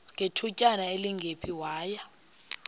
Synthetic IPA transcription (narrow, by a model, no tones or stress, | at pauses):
ŋʱetʰucʼanaeliŋɡʱepʰiwaːja